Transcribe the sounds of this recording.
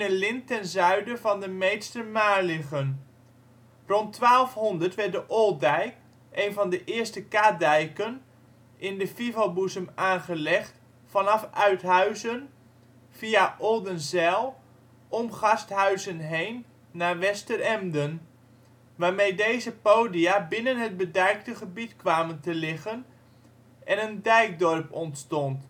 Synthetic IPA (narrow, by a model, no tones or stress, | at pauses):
nəlɪntɛnzœɥdəvɑndəmejtstəmaːɹlɪχən | rɔntʋaːlˠfɦɔndəɹtʋɛɹdəʔɔlˠdɛjk | ʔejnvɑndəʔɪːɹstəkaːdɛjkən | ɪndəfivabuzəmaːnχəlɛχt | fɑnɑfœɥtɦœɥzən | fiaʔɔlˠdənzɛlˠ | ɔmχɑstɦœɥzənɦejnː | aːɹʋɛstəɾɛmdən | ʋaːɹmejdejzəpowdiabɪnənɦəd̚bədɛjk̚təχəbitkʋaːməntəlɪχən | ʔɛnəndɛjk̚dɔrpɔntstɔnt